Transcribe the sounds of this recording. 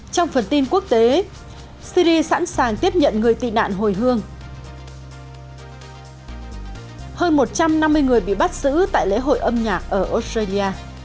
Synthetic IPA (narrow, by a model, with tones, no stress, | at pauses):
t͡ɕɔ˧wŋ͡mfə˨˩nt̪i˧nku˦˥ək̚t̪e˨˦ | si˧ɾi˧sa̰˧˥nsaː˨˩ŋt̪i˦˥əp̚ɲə̰˧˨nŋɨ˨˩əjt̪ḭ˧˨na̰ː˧˨nɦo˨˩jɦɨ˧əŋ | həː˧nmo˨˩t̚t͡ɕa˧mna˧mːɨ˧əjŋɨ˨˩əjɓḭ˧˨ɓa˦˥t̚zɨ̰˧˥t̪a̰ː˧˨jlḛ˧˥ɦo̰˧˨jʔə˧mɲaː˨˩k̚ʔəː˧˩ʔo˦˥stɾaː˧li˧aː˧